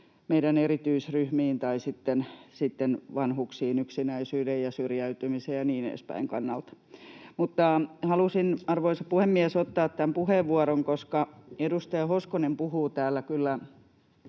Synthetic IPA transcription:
meidænerit̪yisryhmiːnt̪ɑisit̪ːensit̪ːenʋɑnhuksiːnyksinæisyːdejjɑsyrjæyt̪ymisejjɑniːnḛːspæ̰iŋkɑ̰nːɑlt̪ | mut̪ːɑhɑlusinɑrʋoisɑpuhemːiɛsot̪ːɑːt̪t̪ːæmpuheʋːuɑɾoŋkoskɑedust̪ɑjɑhoskonempuhuːt̪æːlːækylːæ

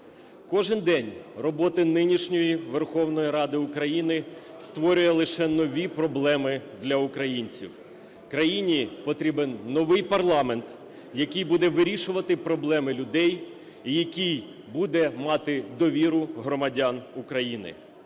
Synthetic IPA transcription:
kɔʒɪnd̪ɛnʲrɔbɔt̪ɪnɪnʲiʃnʲɔjiʋerxɔwnɔjiɾɑd̪ɪʊkɾɐjinɪ | st̪ʋɔɾʲʊjɛlˠɪʃɛnɔʋʲipɾɔblˠɛmɪd̪lʲɐʊkɾɐjinʲt͡sʲḭw | kɾɐjinʲipɔt̪ɾʲibenːɔʋɪjpɐrlˠɑment̪ | jɐkɪjbud̪ɛʋɪɾʲiʃʊʋɐt̪ɪpɾɔblˠɛmɪlʲʊd̪ɛj | ijɐkʲij | bud̪ɛmɑt̪ɪd̪ɔʋʲiɾʊɦɾɔmɐdʲɑnukɾɐjinɪ̰

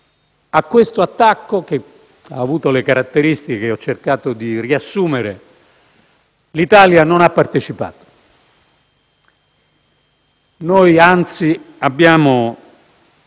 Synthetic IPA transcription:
akːwest̪oat̪ːakːok̟e | a̰ːvuːt̪olekaɾat̪ːeɾist̪ikekeɔt͡ʃːerkaːt̪od̪iriasːuːmeɾe | lit̪aːljanonapːart̪et͡ʃipa̰ːt̪o̥ | nojant̪si | abːjaːmo

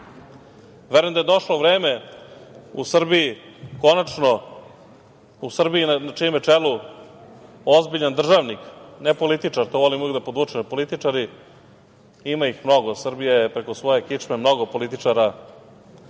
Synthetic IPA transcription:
ʋeɾojmd̪ajed̪o̞ʂloʋɾeːme | ṵsr̩bijiko̞nat͡ʃno | usr̩biinnat͡ʃiumet͡ʂelu | o̞zbiʎand̪r̩ʒaʋniknepo̞lit̪it͡ʂaɾt̪oʋolimod̪apod̪ut͡ʃempo̞lit̪it͡ʂaɾi | imaixmno̞ɡosr̩bijajepɾe̞kosʋo̞je̞kit͡ʂmemno̞ɡo̞po̞lit̪it͡ʂaɾa

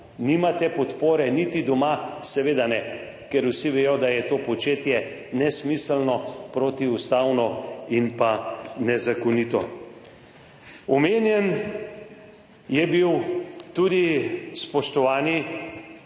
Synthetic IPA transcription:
nimat̪ɛpɔt̪poːɾɛnit̪id̪ɔmasɛʋeːd̪anɛ | kɛɾusiʋejɔd̪ajɛt̪oːpɔt͡ʃeːt̪jɛnɛsmislnɔpɾoːt̪iust̪aːwnɔinpanɛzakɔnit̪ɔ̰ | ɔmeːnjɛn | jɛbiwt̪ud̪ispɔʃt̪ɔʋaːni

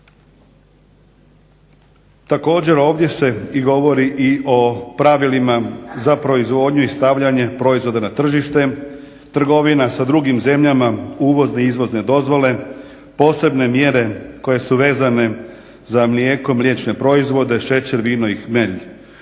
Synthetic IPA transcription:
t̪ako̞ːd͡ʑe̞ɾo̞ːʋd̪je̞se̞iɡo̞ʋo̞ɾiʔiʔo̞pɾaʋilimazapɾo̞izʋo̞ːd̪ɲuist̪aʋʎaɲe̞pɾo̞izʋo̞d̪anat̪r̩ʒiʃt̪e̞ | t̪r̩ɡo̞ʋinasad̪ɾuɡimze̞mʎamauːʋo̞zneizʋo̞zne̞d̪o̞zʋo̞le̞ | po̞ːse̞bne̞mje̞ɾe̞ko̞je̞suʋe̞ːzane̞ | zamlijeːko̞mlʲje̞t͡ʃne̞pɾo̞izʋo̞d̪e̞ʃe̞t͡ɕeɾʋiːnoixmeʎi

